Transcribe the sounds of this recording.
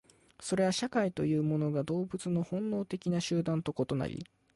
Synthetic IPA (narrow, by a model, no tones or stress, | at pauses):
so̞ɾe̞βaɕakait̪o̞jɯ̟ːmo̞no̞ɡad̪o̞ːbɯ̟t͡sɨno̞hõ̞nːo̞ːt̪e̞kʲinaɕɨːd̪ãnt̪o̞ko̞t̪o̞na̰ɾʲḭ